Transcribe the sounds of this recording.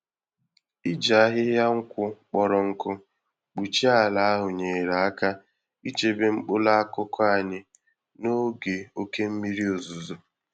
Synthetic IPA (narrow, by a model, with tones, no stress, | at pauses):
i˦d͡ʒa˨a˦ɦɪ˦ɦja˦ŋ̩˦kʷʊ˦k͡pɔ˨ɾɔ˨ŋ̩˦kʊ˦ | k͡pu˨t͡ʃi˦a˦˨la˨˦a˦ɦʊ˨ɲe˨ɾa˨a˦ka˦ | i˦t͡ʃe˦be˦ŋ͡m̩˦k͡pʊ˦la˦a˦kʊ˦kʰɔ˦a˦˨ɲɪ˦ | no˦ɡe˨o˦ke˦m̩˦mi˦ɾi˦o˨zu˨zo˨